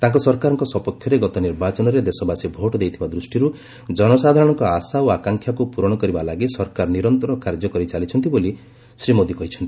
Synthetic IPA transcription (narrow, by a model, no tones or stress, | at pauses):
t̪ãŋkɔsɔɾkaɾɔŋkɔsɔpɔkʰːjɔɾeɡɔt̪ɔniɾbat͡ʃɔnɔɾed̪esɔbasibʱoʈɔd̪ejt̪ʰibad̪ɾusʈiɾu | d͡ʒɔnɔsad̪ʱaɾɔɽ̃ɔŋkɔasaoakaŋkʰjakupuɾɔɽ̃ɔkɔɾibalaɡisɔɾkaɾɔniɾɔnt̪ɔɾɔkaɾd͡ʒɔkɔɾit͡ʃalit͡ʃʰɔnt̪̬iboli | sɾimod̪ikɔɦit͡ʃʰɔnt̪ii̥